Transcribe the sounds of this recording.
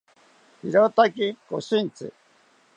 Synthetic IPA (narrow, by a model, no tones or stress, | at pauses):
hiɾot̪akikosint͡sɨ̰